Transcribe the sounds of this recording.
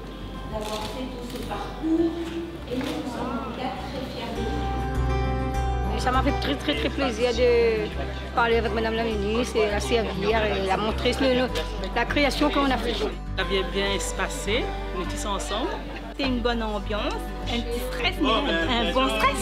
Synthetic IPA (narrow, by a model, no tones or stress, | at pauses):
d̪avwaʁfɛt̪usəpaʁkuːʁ | ensɑ̃mikat̪χɛfjɛ̃ʁd̪əu | esamafɛt̪χɛt̪χɛt̪χɛpleziʁd̪ə | paʁleavɛkmad̪amlaminiselaseaviʁelamɔ̃t̪χeslən | lakχeasjɔ̃kəɔ̃nafɛʒ | avjɛ̃bjɛ̃ɛspase | net̪isɔ̃ɑ̃sɑ̃bl | sɛynbɔnɑ̃bjɑ̃s | ɛ̃st̪χɛt̪m̃ɛ̃bɔ̃st̪χɛ